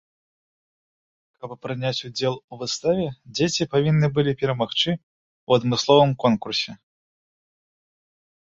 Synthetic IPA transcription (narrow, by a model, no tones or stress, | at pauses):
kɐppɾɨnʲat͡sʲud͡zʲɛlˠuvɨst̪avʲɛd͡zʲet͡sʲipavʲinːɨbɨlʲipʲɛɾɐmaxt͡ʂɨ | wɐd̪mɨslˠɔvɨmkɔnkursʲɛ